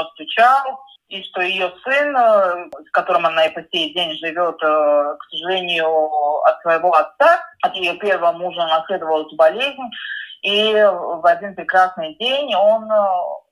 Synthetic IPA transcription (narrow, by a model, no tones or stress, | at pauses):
əst̪vʲʊt͡ɕalˠ | iʂt̪o̞jɪjo̞sɨnskɐt̪o̞ɾɨmanaɪpɐsʲejdʲenʲʐɨvʲo̞t̪ksəʐɨlʲenʲɪjʊɐ̰t̪svəjɪvo̞ɐt̪saɐt̪jɪjo̞pʲe̞rvəmuʐənɐsʲlʲe̞d̪əvəlˠɛst̪əbɐlʲezʲnʲivɐdʲinpɾʲɪkɾasnɨjdʲenʲo̞n